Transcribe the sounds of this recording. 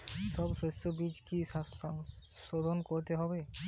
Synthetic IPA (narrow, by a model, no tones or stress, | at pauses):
sɔbsɔsobid͡ʒkis | sod̪ʱonkoɹt̪eɦɔbe